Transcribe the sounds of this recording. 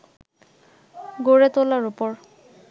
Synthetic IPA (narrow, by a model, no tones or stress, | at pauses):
ɡoɹet̪olaɹupɔɹ